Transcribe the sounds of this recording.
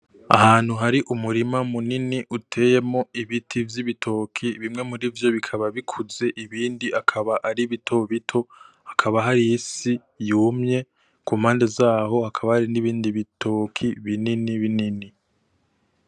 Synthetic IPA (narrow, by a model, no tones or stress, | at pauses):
a̰haːn̥huɦaɾiʔumuɾimamuniniʔutʰe̞je̞mo̞iβitʰivjiβitʰo̞kʰiβimŋe̞muɾivjo̞βikʰaβaβikʰuze̞ʔiβiːndiʔakʰaβaʔaɾiβitʰo̞βitʰo̞hakʰaβaɦaɾijisi | juːmɲe̞ | kuːmhaːnde̞zaːho̞hakʰaβahaɾiniβiːndiβitʰo̞kʰiβininiβinini